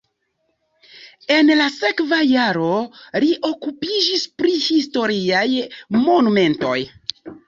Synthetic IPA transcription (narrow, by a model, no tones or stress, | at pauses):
e̞nlase̞kvajaɾo̞liʔo̞kupid͡ʒispɾihisto̞ɾiajmo̞nume̞nto̞̰j